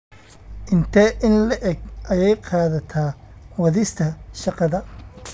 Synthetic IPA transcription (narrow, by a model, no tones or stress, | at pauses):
ʔɪnt̪ʰɛʔɪnlɐʔɛɡʔɐjɛjqɑːðɐt̪ʰaː | wɐðɪst̪ʰɐʃɑqɑðɐ